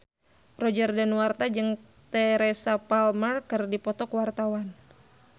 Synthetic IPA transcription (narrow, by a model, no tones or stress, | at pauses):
rɔd͡ʒərdənwart̪ad͡ʒɨŋ | t̪ɛɾɛsapalmərkɨrdipɔt̪ɔkwart̪awan